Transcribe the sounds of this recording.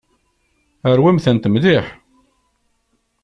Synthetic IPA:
əɾwæmθənt̪əmðɪħ

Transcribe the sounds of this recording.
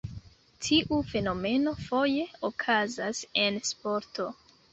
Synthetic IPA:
tʰiʔufe̞no̞me̞no̞fo̞je̞okʰazase̞nspo̞ɾto̞

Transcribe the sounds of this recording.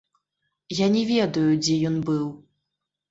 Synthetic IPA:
janʲɛvʲɛd̪ɐjud͡zʲɛjɔnbɨw

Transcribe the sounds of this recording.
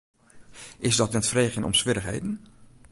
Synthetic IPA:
ʔɪzdɔtnɛtfrejχənɔ̰msʋɪɾəχɦḛjdən̩

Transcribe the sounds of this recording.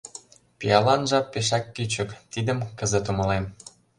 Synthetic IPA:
pijɑlɑnʒɑpːeʃ̬ɑkːyt͡ɕə̆kt̪id̪əmkə̆zə̆t̪umɤ̆lem

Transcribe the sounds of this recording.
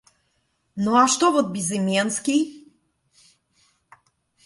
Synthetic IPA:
nɔaʃt̪ɔvɔd̪̚bizɛmjanskʲi

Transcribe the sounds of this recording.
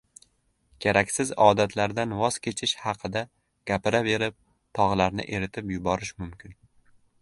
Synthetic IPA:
kʲʰeɾakʲsɪzɒd̪at̪ʰlaɾd̪anvɒz̥kʲʰe̞t͡ʃʰɪʃhɑqʰɨd̪a | ɡ̥ʲapɪɾabe̞ɾɪp̚ | t̪ʰɒʁlˠaɾnɪ̰ʔe̞ɾɪt̪ʰɪpjʊbɒɾɪʃmʊmkʲʰɪn

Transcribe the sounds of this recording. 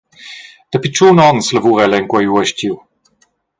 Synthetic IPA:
d̪̥əpit͡ʃuːnɔnsləvuʁɛlɛŋkwajuɛʃciw

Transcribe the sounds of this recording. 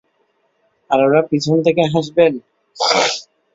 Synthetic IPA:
aɾoɾapit͡ɕʰont̪ʰekeɦaʃben

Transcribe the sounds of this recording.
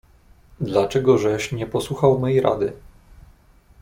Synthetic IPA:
d̪lat͡ʂɛɡɔʐɛʂɲɛpɔswuxawmɛjɾa̰d̪ɘ

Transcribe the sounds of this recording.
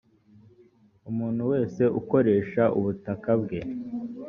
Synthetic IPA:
umuːn̥huwe̞ːse̞ʔuko̞ɾe̞ːʃaʔuβutakabɡe̞

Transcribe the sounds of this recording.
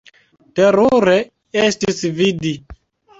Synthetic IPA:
teɾuɾe | estisvidi

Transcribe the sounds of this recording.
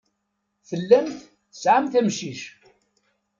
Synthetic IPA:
θəlːæmθ | θəsʕamθæmʃiʃ

